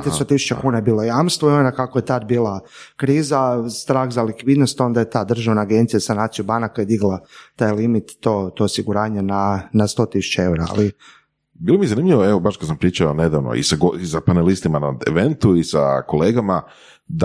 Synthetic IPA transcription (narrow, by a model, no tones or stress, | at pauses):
t̪ist̪ot̪isu̥t͡ʃakuːnajebiːlˠo̞jamst̪ʋoionakakojet̪ad̪biːlˠakɾiːzast̪ɾaːxzalikʋiːd̪no̞st̪o̞nd̪ajet̪aːd̪r̩ʒaʋnaːɡent̪sijasanaːt̪sijubanakojed̪iɡlˠat̪ajlimit̪ːot̪oosiɡuɾaːɲananast̪o̞t̪isu̥t͡ʃae̞wɾaa̰li | biːlˠomizanimʎiʋoeʋobaʃkad̪sampɾiːt͡ʃaoned̪aʋno̰ḭsaɡoisapanelist̪imanaḛʋent̪uisa̰koleːɡama | d̪a